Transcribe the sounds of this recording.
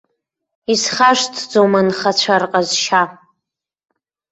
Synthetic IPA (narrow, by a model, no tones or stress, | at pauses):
isχaʂtʰd͡zomanχat͡ɕʷʰarqʼazʃa